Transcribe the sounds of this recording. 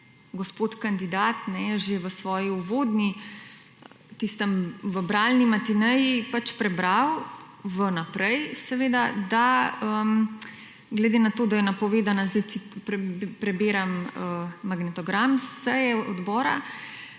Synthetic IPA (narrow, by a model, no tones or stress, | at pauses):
ɡospoːt̪kand̪id̪aːt̪nɛʒeʋəsʋɔːjiuʋoːd̪ni | t̪ist̪əmʋəbɾaːlnimat̪inəjipat͡ʃpɾɛbɾaw | ʋənapɾɛjsɛʋeːd̪ad̪aəm | ɡlɛd̪enat̪oːd̪ajɛnapɔʋeːd̪anazd̪ɛj̪i | pɾɛbeːɾaməːaɡnɛt̪ɔɡɾamssɛjɛʔɔd̪bɔːɾa̰